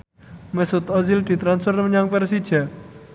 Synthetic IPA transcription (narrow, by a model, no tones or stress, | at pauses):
mɛsʊt̪ɔzild̪̥i̤t̪ɾansfərməɲaŋpɛrsi̥d͡ʒ̥a